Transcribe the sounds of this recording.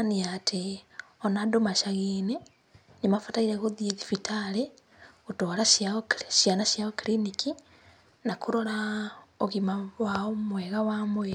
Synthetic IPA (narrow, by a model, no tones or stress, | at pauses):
aniatʰeonadomaʃaɣiːne | ɲmafataiɾeɣoðieðifitʰale | utolaʃʃijanaʃjaokiliniki | nakuɾolaoɣimawaomweɣawamwe